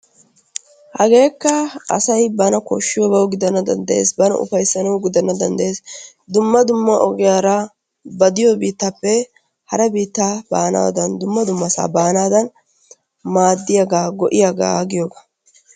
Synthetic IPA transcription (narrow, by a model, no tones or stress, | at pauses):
hɐɡe̞ːkːɐɐsɐjbɐnɐkɔ̰ʃːɪjoɡɐwɡɪd̪ɐnːɐd̪ɐ̰nd̪ɐʔeːsbɐnɐ̰ʔʊ̰fɐjsːɐnɐwɡɪd̪ɐnːɐd̪ɐnd̪ɐʔeːs | d̪ʊmːɐd̪ʊmːɐʔɔɡɪjaːɾɐ | bɐd̪ɪjobiːt̪ːɐpːɛ | hɐɾɛbiːt̪ːabaːnɐ̰wɐ̰d̪ɐnd̪ʊmːɐd̪ʊmːɐsa̰ːbaːnaːd̪ɐn | maːd̪ːɪjaɡaːɡɔʔɪjaɡa̰ːɡɪjoːɡa